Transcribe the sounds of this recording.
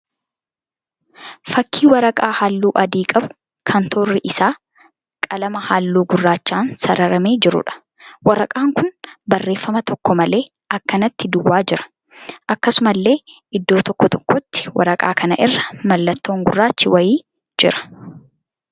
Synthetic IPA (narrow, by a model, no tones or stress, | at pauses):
fɐkʰːiːwɐɾɐkʼaːhaːlːuːʔɐd̪iːkʼɐbʊ̥ | kʰɐnt̪ʰoːrːɪʔɪsaː | kʼɐlɐmɐhaːlːuːɡʊrːaːt͡ʃːaːnsɐɾɐɾɐme̞ːd͡ʒɪɾʊ̰ᶑɐ̥ | wɐɾɐkʼaːŋkʊnbɐrːe̞ːfːɐmɐt̪ʰɔkːɔmɐle̞ː | ɐkːɐnɐt̪ːɪd̪ʊwːaːd͡ʒɪɾɐ̥ | ʔɐkːɐsʊmɐlːe̞ː | ɪd̪ːo̞ːt̪ɔkːɔt̪ɔ̥kːɔt̪ːɪ̥wʔɐ̰ɾɐkʼa̰ːkɐnɐʔɪrːɐmɐlːɐt̪ːoːŋɡʊrːaːt͡ʃːɪwɐjiː | d͡ʒɪɾɐ̥